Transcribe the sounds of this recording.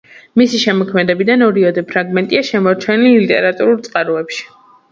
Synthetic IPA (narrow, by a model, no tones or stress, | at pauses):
misiʃɛmɔkʰmɛd̪ɛbid̪anɔɾiɔd̪ɛpʰɾaɡmɛnt̪ʼiaʃɛmɔɾt͡ʃʰɛnilːit̪ʼɛɾat̪ʼuɾulˠt̪sʼqʼaɾuɛpʃi̥